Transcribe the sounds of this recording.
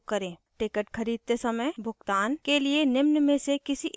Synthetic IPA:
kəɾẽːʈɪkəʈkʰɐɾiːd̪̚t̪esɐməjbʱʊɡt̪aːnkelienɪmnmẽsekɪsi

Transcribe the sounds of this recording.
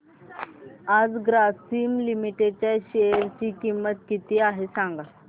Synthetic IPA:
ad͡zɡɾasimlimiʈet͡ɕjaɕeɾt͡ɕiːkimːət̪kit̪iːaɦesaŋɡa

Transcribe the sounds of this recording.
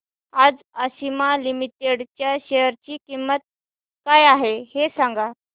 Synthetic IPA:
ad͡z | əɕimalimit̪eɽt͡ɕjaɕeəɾt͡ɕiːkimːət̪̚ | kajaɦehesãŋɡa

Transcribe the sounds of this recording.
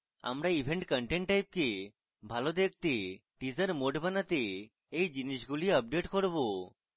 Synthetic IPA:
a̰mɾaibʱeɳʈkəɳʈeɳʈːajp̚ke | bʱalod̪ek̚ʰt̪eʈid͡ʒəɾmoɖbanat̪e | ejd͡ʒiniʃɡuliəp̚ɖeʈkɔɾbo

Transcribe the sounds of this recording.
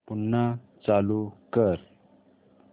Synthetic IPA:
punːa | t͡salukəɾ

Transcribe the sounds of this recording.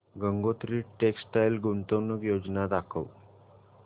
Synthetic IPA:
ɡəŋɡot̪ɾiːʈeksʈajlɡunt̪onəkjod͡znad̪akʰəw

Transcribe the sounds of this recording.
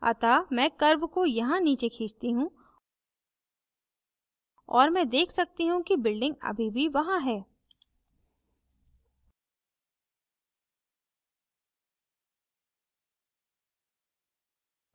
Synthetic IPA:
ɐ̰t̪amɛ̃ːkɐɾʋkojɐɦãniːt͡ʃekʰiːt͡ʃt̪iɦũ | ɔ̰ːɾmɛ̃ːd̪eːkʰsɐk̚t̪iɦũkibɪlɖɪ̃ŋɡɐ̰bʱibʱiʋɐɦãɦɛː

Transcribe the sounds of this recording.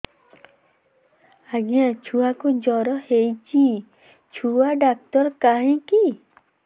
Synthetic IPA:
aɡijãt͡ʃʰuwakud͡ʒɔɾɔhejt͡ʃʰi | t͡ʃʰuaɖak̚tɔɾkaɦĩki

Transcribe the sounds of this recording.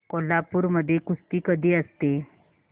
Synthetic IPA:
kolːapuːɾməd̪ʱːjekust̪iːkəd̪ʱiːəst̪e

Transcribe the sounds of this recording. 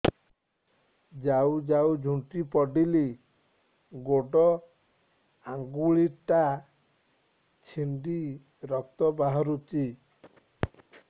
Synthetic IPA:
d͡ʒawd͡ʒaud͡ʒʱuɳʈipɔɖili | ɡoɖɔ | aŋɡuɭiʈa | t͡ʃʰiɳɖi | ɾɔk̚t̪ɔbaɦɔɾut͡ʃi

